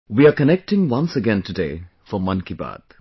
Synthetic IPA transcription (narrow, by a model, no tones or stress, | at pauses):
wiakənɛk̚ʈɪ̃ŋwʌ̃nsəɡɛ̃ntudeː | fɔmʌ̃nkiba̰ːd̪̥̚